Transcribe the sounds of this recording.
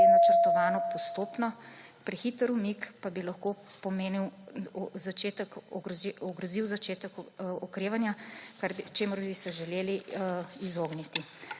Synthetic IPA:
ɛnat͡ʃəɾt̪ɔʋaːnɔpɔst̪oːpnɔpɾɛxit̪əɾumikpabilɐxkoːpɔmeːniw | zat͡ʃeːt̪əkɔɡɔɡɾɔziwzat͡ʃeːt̪əkɔkɾeːʋanjakaɾbit͡ʃeːmɔɾbisɛʒɛleːliizoːɡnit̪i

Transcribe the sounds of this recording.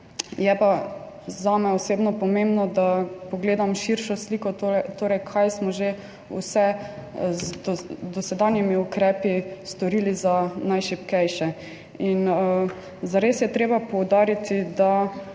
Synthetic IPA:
jɛpa | zamɛɔseːbnɔpɔmembnɔd̪apɔɡleːd̪amʃiɾʃɔslikɔt̪ot̪oːɾɛjkʰajsmɔʒe | ṵsɛzd̪ɔsɛd̪anjɛmiukɾɛːpist̪ɔɾilizanajʃipkɛjʃɛ | in | zaɾeːsjɛt̪ɾeːbapɔwd̪aːɾit̪id̪a

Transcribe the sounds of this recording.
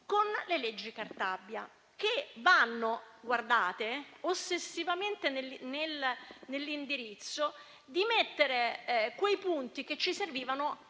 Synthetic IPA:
konleled͡ʒːikart̪abːja | kevanːoɡward̪aːt̪eosːesːivament̪enlnelnelːind̪iɾit̪sːo | d̪imet̪ːeɾekwejpunt̪iket͡ʃːiserviːvano

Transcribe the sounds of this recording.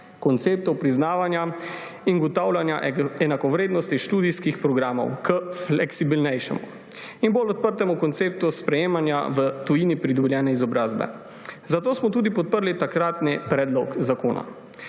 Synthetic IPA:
kɔnt̪seːp̚t̪ɔwpɾiznaːʋanja | inɡɔt̪aːwlanja̰ʔɛnakɔʋɾeːd̪nɔst̪iʃt̪uːd̪iskixpɾɔɡɾaːmɔ̰wkəflɛksibilnɛjʃɛ̰mṵ | inbolɔt̪̚pəɾt̪ɛmukɔnt̪seːp̚t̪uspɾɛjeːmanja̰ʋət̪ujiːnipɾid̪ɔbɛljɛːnɛizɔbɾaːzbɛ̰ | zat̪oːsmɔt̪uːd̪ipɔt̪̚pəɾlit̪akɾaːt̪nipɾɛːd̪lɔkzako̰ːna̰

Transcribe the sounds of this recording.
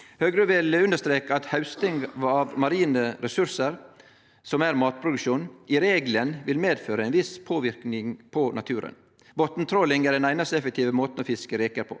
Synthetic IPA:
høːɡɾəʋɪlʉnd̪əʂt̪ɾeːkəɑt̪hɑʉst̪ɪŋɡɑʋmɑɾiːnəɾɛsʉɾsəɾ | sɔmæɾmɑːt̪̚pʰɾʊd̪ʉkʂuːnɪɾeːɡlənʋɪlmeːd̪føːɾəæɛɪnʋɪspʰoːʋɪɾknɪŋpʰɔnɑt̪ʰʉːɾə̰n | bɔt̪n̩t̪ʰɾɔlɪŋæɖɛnæɪnɑst̪əɛfək̚t̪ʰiːʋəmoːt̪n̩ɔfɪskəɾeːkəɾpʰɔ̰ː

